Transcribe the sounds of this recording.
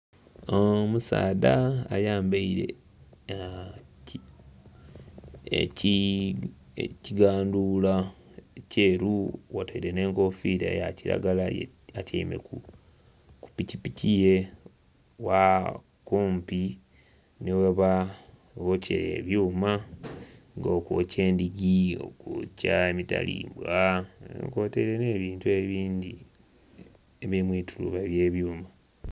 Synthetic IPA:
omusa̰ːdaːjaːmbaiɾe̞̰ | ci | ciɡaːndula | ce̞ːɾuwoteɾene̞ːŋko̞fiɾḛjaciɾa̰ɡalaj̰ | aca̰imḛku | ku̥picipicije | wa | kuːmpi | neweβa | ɣocʰḛɾḛβjuːma | ŋɡokuce̞ːndiɡio̞̰kuːcaemita̰lḭːmbwanḛŋko̞teɾeneːβiːntueβiːndi | eβimwiːtʰulṵβeβjeːβjuːma

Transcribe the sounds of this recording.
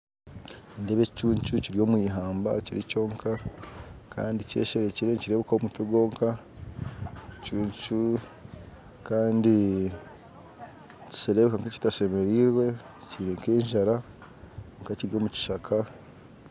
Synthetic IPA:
endeβecuːɲt͡ʃuciɾijo̞ːmwiːɦaːmba̰ciɾico̞ːŋkʰa | kʰa̰ːndice̞̰ːʃeɾeciɾeciɾe̞ːβekawomuteɡo̞ːŋka | cuːɲt͡ʃu | kaːndi | ci̥ʃeɾe̞βekaŋkaci̥taʃe̞me̞ɾiɾwe̞ | ciɾeŋkeːɲʒaɾa | ŋkaciɾijo̞muci̥ʃakʰa

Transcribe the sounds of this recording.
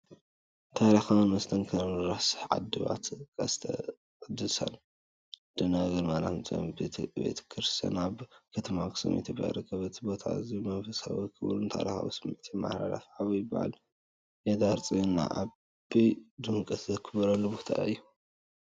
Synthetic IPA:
t̪ʰaɾixawnmɐst̪ʰɐnkʰɐmɨɾasɨ̥ħʕa̰d̪ɨβa̰t̪kʰʼɐst̪ʰɐ | d̪ɨsɐ̰l | d̪̥ɨnaɡɐɾmaɾa̰mt͡sʼɐ̰b̪bḛt̪ʰkʰɨɾɨst̪ʰɐ̰naβkʰɐt̪ʰɐmakɨ̥sɐ̰mʔḛt̪ʰiba̰ɾɨkʰːɐβɐt̪ʰbo̞t̪ʰa̰ɨzimɐnfɐsa̰w̰kʰɨβɾunt̪ʰa̰ɾixa̰wɨsɨmʕt̪ʰima̰hɾa̰la̰fʕaβjɪbːa̰ʕa̰l | jed̪aɾt͡sʼinːa̰ʔa̰ | bid̪ɨmkʼɐt̪zɐkʰɨβɐɾɐlːubot̪ʰa̰ɨjːu

